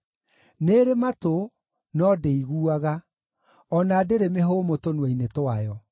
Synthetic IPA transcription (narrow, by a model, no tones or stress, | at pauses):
neɾemato | nɔdeiɣuaɣa | ɔnaːdeɾemeɦomotonwɛinetwajɔ